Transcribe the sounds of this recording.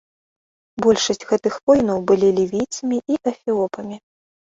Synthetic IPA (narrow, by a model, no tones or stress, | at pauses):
bɔlʲʂɐsʲtʲɣɛt̪ɨxvɔjnɐwbɨlʲilʲivʲijt̪sɐmʲiʔiʔɐfʲiɔpɐmʲi